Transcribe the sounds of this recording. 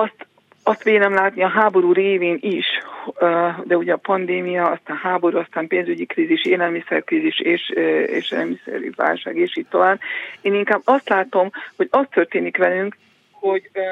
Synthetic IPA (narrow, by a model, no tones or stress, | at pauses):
ɒst̪ | ɒst̪ʋeːnɛmlaːt̪niɒɦaːbo̞ɾuːreːveːniʃ | d̪ɛuɟɛɒpɒnd̪eːmijɒɒst̪aːnhaːbo̞ɾuɒst̪aːmpeːnzyɟikriːziʃeːlɛlmisɛrkriːziʃeːʃḛːʃeːlɛ̰lmisɛ̰ɾy̰va̰ːlʃa̰ːɡeːʃiːtt̪o̞vaːbeːniŋkaːbːɒst̪laːt̪o̞mho̞ɟɒst̪ːø̞rt̪eːnikʋɛlyŋk | ho̞ɟ